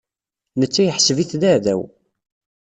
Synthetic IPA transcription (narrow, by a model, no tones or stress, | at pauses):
nət͡sːæjəħsviθðæðæ̰w